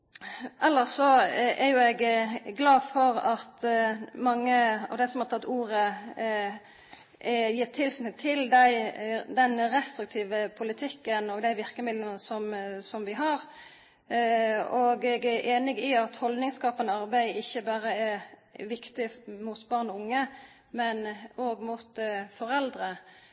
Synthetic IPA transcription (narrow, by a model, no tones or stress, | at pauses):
ʔɛlːəʁsɔɛɾjʊɛɡɡlɑːfɔɾɑt̪mɑŋːəɑ̰ʋd̪ɛsɔmhɑʁt̪ɑt̪ːuːɾə | jiːt̪ʰɪlsɪnət̪ʰɪld̪æɪd̪ɛnʁɛst̪ɾɪk̚t̪ʰiːʋəpʰʊlɪt̪ʰɪkːənɔɡd̪æɪʋɪʁkəmɪd̪lənəsɔmsɔmʋɪɦɑɾ | ɔɡɛɡɛʔeːnɪɡɪɑt̪hɔld̪nɪŋskɑːpənəɑʁbæɪɪçːəbɑːɾəɛʋɪkt̪ɪmʊt̪bɑʁnɔʊŋːə | mɛnoːɡmʊt̪fɔʁɛld̪ɾə